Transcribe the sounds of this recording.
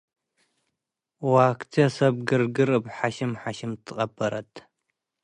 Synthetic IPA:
waːktʰiɐsɐb̚ɡɨrɡɨrɨpħaʃɪmħaʃɪmtʰqʼɐpʰɐɾɐ̰tʰ

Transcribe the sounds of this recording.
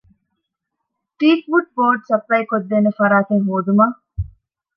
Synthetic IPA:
ʈiːk̚buʈ̚boːɖsɐplɐjkod̪ːeːnefɐɾaːt̪eŋɦoːd̪umaː

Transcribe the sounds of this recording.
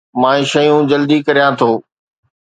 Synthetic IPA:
mãːẽʃɐjũd͡ʑɐld̪ikɐɾijãt̪ʰoː

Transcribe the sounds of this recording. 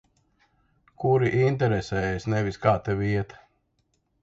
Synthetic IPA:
kuɾiʔint̪ɛɾɛsɛːesnɛviskaːt̪ɛvʲiɛt̪

